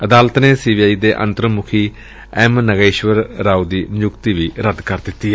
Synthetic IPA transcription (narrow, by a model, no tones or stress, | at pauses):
əd̪aːlt̪neːsiːbiːaːiːd̪eːʔə̰̃nt̪ɾəmʊkʰiː | ɛmnəɡeːʃʋəɾːaːud̪iːʊkt̪iːʋiːɾəd̪kəɾd̪ɪt̪ːiː